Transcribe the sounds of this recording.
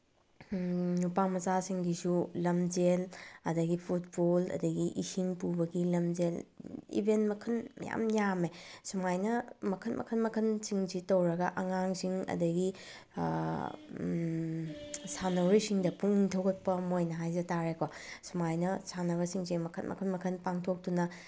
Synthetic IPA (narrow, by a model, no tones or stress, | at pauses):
nupamɐzasiŋɡisulɐmd͡ʒelɐdɐɡipʰut̚bolɐ̰dɐɡiʔihiŋpubɐɡilɐmd͡ʒelḭbʱentmɐkʰɐnmɐ̰ja̰mjamesumajnɐmɐkʰɐtmʔɐ̰kʰɐnmɐkʰɐnsiŋzitɐwɾɐɡɐʔɐŋaŋsiŋɐ̰dɐɡi | sanɐwɾisiŋdɐpuŋtʰɐwɡɐt̚pɐmojnɐɦajzɐtaɾekosumajnɐsanɐβɐsiŋzimɐkʰɐt̚mɐ̰kʰɐnmɐkʰɐnpaŋtʰok̚tunɐ